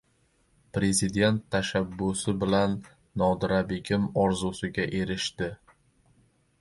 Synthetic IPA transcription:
pɾe̞zɪd̪ʲe̞nt̪ʰːaʃabːʊsɪbɪlanː | ɒd̪ɪɾabekʲɪmɒɾzusɪɡʲaʔe̞ɾɪʃt̪ɪ

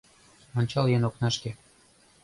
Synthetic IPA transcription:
onʲt͡ɕɑljenoknɑʃke

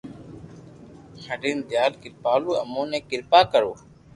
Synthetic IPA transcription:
həɖeːnd̪ɪjaːlkɪɾpaːluːə̰mõːnẽːkɪɾpaːkəɾoː

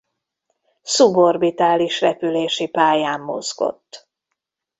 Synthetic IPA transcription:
suborbit̪aːliʃrɛpyleːʃipaːjaːmːo̰z̥ɡo̰t̪ː

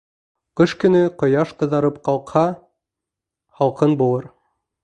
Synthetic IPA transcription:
qɤʃkɵ̆nɵqŏjɑʃqɤ̆ðɑɾɤpqɑlˠqhɑ | hɑlˠqɤnbulˠɤɾ

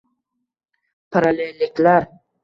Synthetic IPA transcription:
pʰaɾalelːɪkʲlaɾ

